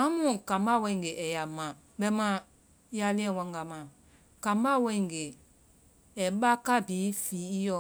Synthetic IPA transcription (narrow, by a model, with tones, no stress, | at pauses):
ã˨˦mũ˦˨kã˨m˦ba˦˨wɛ̃˧ĩ˨ɡe˨ʔɛ˨ja˨mã˨ | ɓɛ˧˦mã˧˦ | ja˧lĩ˦ɛ̃˨wã˧ŋɡa˧˨mã˨ | kã˨mba˦˨wɛ̃˦ĩ˨ŋɡe˨ | ɛ˨ɓa˦ka˦biː˨˦fiː˨˦i˦jɔ˧˨